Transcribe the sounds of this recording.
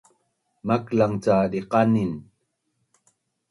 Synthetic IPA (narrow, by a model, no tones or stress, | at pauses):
maklaŋt͡sadiqanin